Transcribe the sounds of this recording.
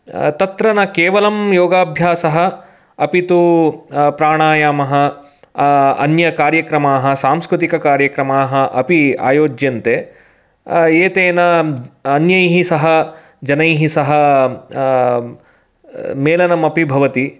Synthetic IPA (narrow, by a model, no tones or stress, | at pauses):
t̪ɐt̪ɾɐnɐkeːʋɐlɐmjoːɡaːbʱjaːsɐɦɐ̆ | ɐpit̪u | pɾaːɳaːjaːmɐɦɐ̆ | ɐ̰njɐkaːɾjɐkɾɐmaːɦɐ̆saːmskɾut̪̬ikɐkaːɾjɐkɾɐmaːɦɐ̆ʔɐpia̰ːjoːd͡ʒjɐnt̪eː | eːt̪eːnɐɐnjɐjɦisɐɦɐ | d͡ʒɐnɐjɦisɐɦɐ̆ | meːlɐnɐmɐpibʱɐʋɐt̪i